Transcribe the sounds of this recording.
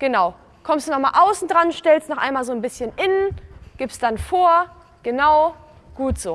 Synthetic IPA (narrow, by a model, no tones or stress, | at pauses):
ɡ̥ənaʊ | kʰɔmstd̥uːnɔχmaːlʔaʊsn̩dʁanʃtɛlstnɔχʔaɪnmaːlzoːnbɪsçənʔɪnənɡ̥ɪpstd̥anfoːɐ | ɡ̥ənaʊ | ɡ̥uːtz̥oː